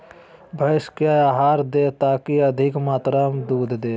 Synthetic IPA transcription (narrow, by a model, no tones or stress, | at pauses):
bʱəʃkjaːaːɦaːɾd̪et̪aːkiɐd̪ʱɪkmaːt̪ɾaːmd̪uːd̪ʱd̪eː